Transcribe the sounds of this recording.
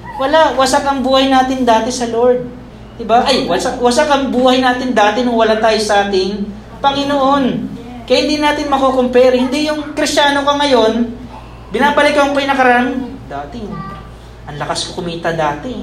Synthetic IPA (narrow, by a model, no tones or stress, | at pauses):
wɐlaʔwɐsakɐŋbuːhɐjnaːt̪ɪnd̪aːt̪ɪsɐlo̞ɹd̪̚ | d̪ɪbaʔɐjwɐsawɐsakɐŋbuːhɐjnaːt̪ɪnd̪aːt̪ɪnʊŋwɐlant̪aːjosɐʔaːt̪ɪŋ | pɐŋɪnoʔon | kɐjahɪnd̪inaːt̪ɪnmɐkoːkompɛɾɐhɪnd̪ijʊŋkɾɪst͡ʃaːnokɐŋɐjo̞n | bɪnaːbɐlɪkːɐʊpɐjnɐkɐɾɐɐand̪aːt̪ɪ | ʔɐnlɐkɐskokʊmiːt̪ɐd̪aːt̪ɛ